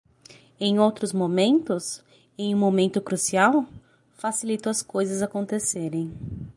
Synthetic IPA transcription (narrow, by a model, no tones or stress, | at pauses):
ẽj̃owt̪ɾʊzmomẽnt̪ʊs | ẽj̃ũmːomẽnt̪ʊkɾusiaw | fasilit̪ʊɐskojzɐzakõnt̪eseɾẽj̃